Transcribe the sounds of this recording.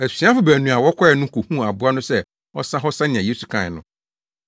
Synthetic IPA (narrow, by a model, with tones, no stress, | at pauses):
æ˨si˨˦a˦fʊ˨˦bæ˨nũ˨a˨wɔ˦kʷʰɔ˦ɛ˨nʊ̃˦kʰu˨hũ˦a˨bʊ˦a˦nʊ̃˦sɛ˦ | ɔ˦sã˦ɦɔ˦sa˦nɪ̃˨ã˨je˦su˨kʰã˨nʊ̰̃˦